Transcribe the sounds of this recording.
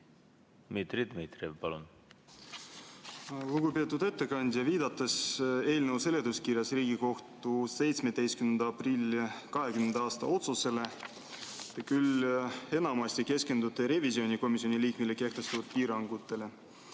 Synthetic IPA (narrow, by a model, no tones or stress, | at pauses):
mit̪ɾid̪mit̪ɾevpɑlṵn | luɡupe̞ːt̪ːˑud̪e̞t̪ːe̞kɑnʲd̪ʲjɑviːd̪̥ɑt̪ːˑese̞ːlnəwse̞le̞d̪̥uskirjɑsriːɡiko̞ht̪use̞jt̪sme̞d̪̥e̞jskymnend̪ɑɑprilʲːkɑɦe̞kymnend̪̥ɑɑːst̪ɑo̞t̪suse̞le̞ | ɑkyle̞nɑmɑst̪ike̞ske̞nd̪ut̪ːˑeɾe̞visio̞nʲiko̞misio̞niliːkmileke̞ht̪e̞st̪ut̪̚piːɾɑŋɡ̥ut̪ːˑe̞le̞